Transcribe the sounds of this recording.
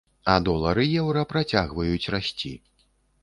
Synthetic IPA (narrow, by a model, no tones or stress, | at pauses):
ɐd̪ɔlˠɐɾɨjɛwɾɐpɾat͡sʲaɣvɐjut͡sʲrasʲt͡sʲi